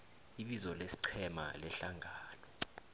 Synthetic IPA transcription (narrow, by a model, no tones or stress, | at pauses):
iɓizɔlesi̥ǀʰɛma̰lɛɬaŋʱaːnɔ